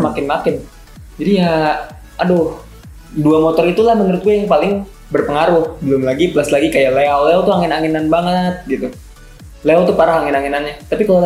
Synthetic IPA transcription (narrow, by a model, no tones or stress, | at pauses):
makɪnmakɪn | d͡ʒadija | adʊh | duamot̪ɔɾit̪ulahmənəɾʊt̪̚ɡuajaŋpalɪŋ | bərpəŋaɾʊhbəlʊmlaɡipəlaslaɡikajaleawleawt̪uaŋɪnaŋɪnanbaŋəət̪̚ɡit̪u | leawt̪upaɾaɦaŋɪnaŋinanɲat̪apikala